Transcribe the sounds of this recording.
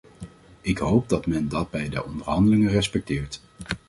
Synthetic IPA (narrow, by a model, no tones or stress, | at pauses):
ɪkɦowb̚dɑtmɛndɑd̚bɛjdə̰ʔɔndəɹɦɑndəlɪŋərɛspɛk̚tɪːɹt